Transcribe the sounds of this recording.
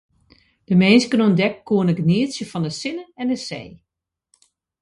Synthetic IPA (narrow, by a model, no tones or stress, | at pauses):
d̥əmeːnsɡənuəndɛkːuənəɡniəsjəfɔndəsɪnəɛndəsḛː